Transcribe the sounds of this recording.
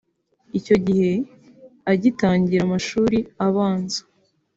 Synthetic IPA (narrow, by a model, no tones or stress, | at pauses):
ico̞ɟihe̞ | aɟitaːɲɟiɾamaʃuːɾiaβaːnzḁ